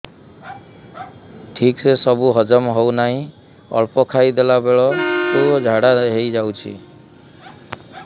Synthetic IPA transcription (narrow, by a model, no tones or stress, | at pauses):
ʈʰiksesɔbuɦɔd͡ʒɔmɦownaɦĩ | ɔ̰ɭpɔkʰajd̪elabeɭɔsoɔd͡ʒʱaɽaɦejd͡ʒawt͡ʃʰḭ